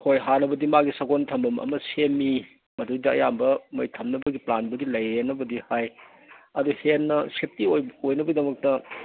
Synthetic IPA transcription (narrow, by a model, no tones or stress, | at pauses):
kʰojɦanɐbɐdimaɡisɐɡontʰɐmbɐmɐ̰mɐsemːi | mɐdujdɐɐ̰jambɐmɐjtʰɐmnɐbɐɡiplanbɐdilɐjɾenːɐbɐdihaj | ɐduhenːɐsep̚tiojojnɐbɐɡidɐmɐk̚tɐ